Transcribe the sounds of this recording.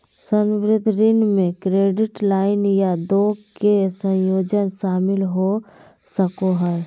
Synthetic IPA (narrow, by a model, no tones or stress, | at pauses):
sə̃nʋɾɪd̪ʱɾɪnmẽkɾeːɖɪʈlaːɪnjad̪oːɡkesə̃joːd͡ʒənʃaːmɪlɦo | səkoɦɛː